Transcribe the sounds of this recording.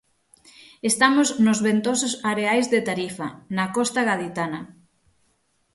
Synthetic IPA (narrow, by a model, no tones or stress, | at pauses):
est̪amoznʊzβent̪osʊsaɾeajzðet̪aɾifɐnɐkɔst̪aɣaðit̪anɐ